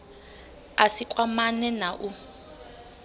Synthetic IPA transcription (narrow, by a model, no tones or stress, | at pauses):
asikʼwamanɛnaʔu